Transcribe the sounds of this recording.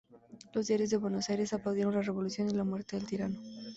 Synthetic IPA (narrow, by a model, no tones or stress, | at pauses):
lo̞zd̪jaɾjo̞zðe̞βwe̞no̞sajɾe̞saplawðjeɾo̞nlare̞βo̞luθjo̞nilamwe̞ɾt̪eðe̞lt̪iɾano